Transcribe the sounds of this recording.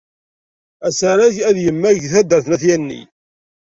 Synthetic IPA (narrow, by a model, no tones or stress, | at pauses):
æsəɾæʝæðjəmːæʝθæd̪əɾθnæθjænːḭ